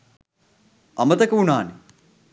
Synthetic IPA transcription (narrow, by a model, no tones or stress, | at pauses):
ɐmɐt̪ɐkɐunaːni